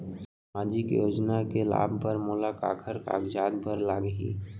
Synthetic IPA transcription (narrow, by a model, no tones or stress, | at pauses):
s | maːd͡ʒikjoːd͡ʒnakela̰ːbʱpəɾmoːlaka̰ːkʰəɾka̰ːɡd͡ʒaːd̪̚bʱəɾlaːɡəɦḭː